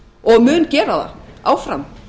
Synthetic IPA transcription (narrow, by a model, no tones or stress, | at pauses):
ɔɣmʏncɛːɾaða̰awfɾa̰n